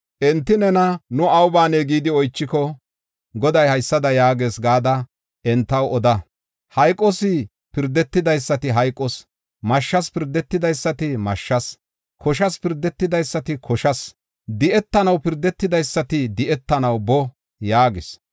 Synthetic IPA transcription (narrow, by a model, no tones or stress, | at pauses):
ʔɛnt̪ːɪnɛnɐnʊɐwbaːneːɡiːd̪ɪɔjt͡ʃːɪkɔ | ɡɔd̪ɐjhɐjsːɐd̪ɐjaːɡeːsɡaːd̪ɐ | ʔɛnt̪ːɐwɔd̪ɐ | hɐjkʼɔsɪ | pɪɾd̪ːɛt̪ːɪd̪ɐjsːɐt̪ɪɦɐjkʼːɔs | mɐʃːɐspɪɾd̪ːɛt̪ːɪd̪ɐjsːɐt̪ɪmɐʃːɐs | kʰɔʃɐspɪɾd̪ːɛt̪ːɪd̪ɐjsːɐt̪ɪkʰɔʃɐs | d̪ɪʔɛt̪ːɐnɐwpɪɾd̪ːɛt̪ːɪd̪ɐjsːɐt̪ɪd̪ɪʔɛt̪ːɐnɐwbɔ | jaːɡɪs